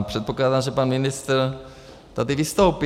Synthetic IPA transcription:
pr̥ɛt̪̚poklaːd̪amʒɛpanmɪnɪst̪ɾ | t̪ad̪ɪvɪst̪owp

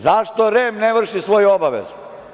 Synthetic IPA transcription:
zaʃt̪oɾeːmneʋr̩ʃisʋo̞juobaʋḛzu

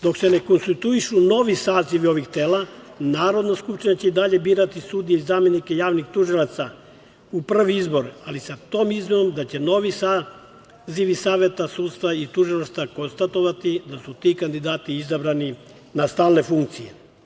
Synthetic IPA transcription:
d̪o̞kse̞ne̞ko̞nst̪it̪uiʃuno̞ʋisaːziʋio̞ʋixt̪eːlanaːɾo̞d̪naskupʃt̪iɲat͡ɕeid̪aʎe̞biːɾat̪isud̪ijeizaːmje̞nikejaːʋnixt̪uʒilat̪sa | upr̩ʋiizbo̞ɾalisat̪o̞ːmizmino̞md̪at͡ɕe̞no̞ʋisa | ziʋisaːʋje̞t̪asuːd̪st̪ʋait̪uʒilaʃt̪ako̞nst̪at̪o̞ʋat̪id̪asut̪iːkand̪id̪aːt̪iizabɾani | nast̪aːlne̞fuŋkt̪sije

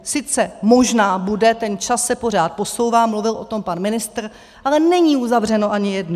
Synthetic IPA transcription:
sɪt͡sɛmo̞ʒnaːbudɛt̪ɛnt͡ʃasːɛpo̞r̝aːt̪̚po̞so̞wvaːmluvɪlʔo̞t̪o̞mpanmɪnɪst̪r̩ | ʔalɛnɛɲiːʔuzavr̝ɛno̞ʔaɲɪjɛdnu

